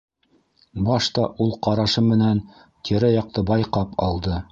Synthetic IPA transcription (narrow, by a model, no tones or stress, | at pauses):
bɑʃt̪ɑʔulˠqɑɾɑʃɤmɘ̆næn | t̪ʲʰiɾæjɑq̚t̪ɤbɑjqɑpʰɑ̰lˠd̪ɤ